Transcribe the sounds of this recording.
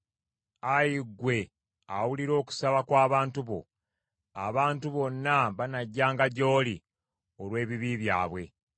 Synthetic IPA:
ajiɡwe̞ | awuliɾo̞ːku̥saβakwaːβaːntuβo̞̰ | a̰βaːntuβo̞nːaβanaɟːaːŋɡaɟo̞ːli | olwe̞ːβiβiβja̰ːβwe̞̰

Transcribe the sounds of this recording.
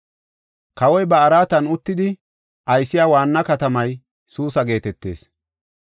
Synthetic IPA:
kɐwɔjbɐːɾaːt̪ɐnʊt̪ːɪd̪ɪ | ʔɐjsːɪjaːwaːnːɐkɐt̪ɐmɐj | suːsɐɡe̞ːt̪ɛt̪ːe̞̰ːs

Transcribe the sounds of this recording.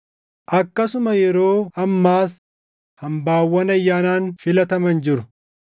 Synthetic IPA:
ʔɐkːɐsʊmɐjɛɾo̞ːɐmːaːs | hɐmbaːwːɐnɐjːaːnaːnfɪlɐt̪ɐmɐnd͡ʒɪɾʊ

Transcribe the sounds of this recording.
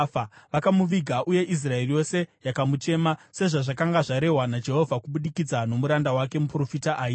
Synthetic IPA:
aʋakamuʋiɡʱaʔuje̞ʔis̬rae̞rijo̞se̞jakamute̞mase̞ʐaʐakaŋɡaʐaɾe̞ɦwanad͡ʒe̞ɦo̞vʱakuɓuɗikid͡zano̞muɾandawake̞mupro̞fitaʔaːji

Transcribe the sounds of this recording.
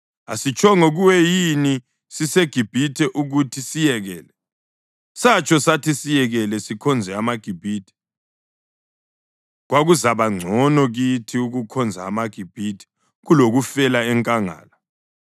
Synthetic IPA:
a̰sit͡ʃʰɔŋoɣuwɛjini | siseɡ̥ʱib̥ʱitʰɛʔuɣutʰisijɛɣɛ̰ːlɛ | sat͡ʃʰʼɔsatʰisijɛɣɛlɛsikʰɔnd͡zʱɛamaɡ̥ʱib̥ʱiːtʰɛ̥ | ɣwaɣuzaβaŋ͡ǀʱɔnɔɣitʰiuɣukʰɔnd͡zʱa̰ːmaɡ̥ʱib̥ʱiːtʰɛ̥ | ɣuloɣufɛlaɛŋkʼaŋa̰ːla

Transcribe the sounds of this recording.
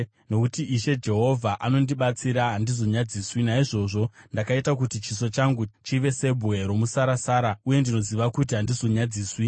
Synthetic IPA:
no̞kutiiʃe̞d͡ʒe̞ɦo̞vʱaʔano̞ndiɓat͡siɾaɦandizo̞ɲad͡ziːswinaiʐo̞ʐo̞ndakaitakutit͡ʃiso̞t͡ʃaŋɡut͡ʃiʋe̞se̞bʱwe̞ɾo̞musaɾasaːɾauje̞ndino̞ziʋakut̬iɦandizo̞ɲad͡ziːswi

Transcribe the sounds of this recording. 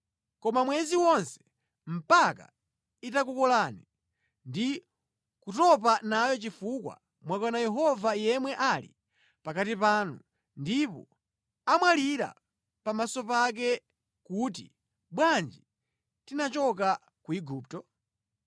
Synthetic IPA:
kɔmamwɛziwɔnsɛ̥ | m̩paka̰ | itakukɔlani | ndi | kutɔp̬anajɔt͡ʃifukwa̰ | mwakɔnajɛɦɔvajɛmwɛʔalḭ | pakatipaːnu | ndipɔ̰ | amwaliɾa̰ | pamasɔpak̬ɛ | kut̬ḭ | ɓwand͡ʒi | tinat͡ʃɔka | kuiɡuːp̚tɔ

